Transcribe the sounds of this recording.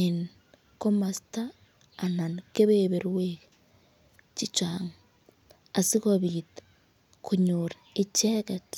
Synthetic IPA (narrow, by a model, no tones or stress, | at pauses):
eni | komasi̥taː | nanikeβeβeɾuweke | t͡ʃit͡ʃaŋa | asikoβitḁ | kuɲuɾaet͡ʃeɣeti̥